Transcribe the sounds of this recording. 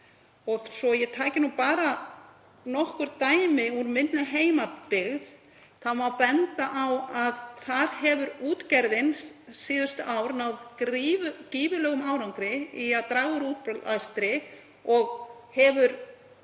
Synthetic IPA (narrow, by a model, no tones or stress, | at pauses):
ɔɣsɔjɛɣt̪ʰaːcɪnupaːɾa | nɔhkʏɾt̪aːjmɪuɾmɪnːaɦeːjmapɪɣð | θamawpɛnt̪aʔawaðθaɾ̥hɛvʏɾuːt̪cɛɾðɪnsːiːðʏst̪ʏʔaːwɾnawvkɾivʏkiːvʏlœːɣʏmaːwɾawŋkɾɪiaðt̪ɾaːɣɣʏɾuːt̪p̪ast̪ɾɪ | ɔɣhɛvʏɾ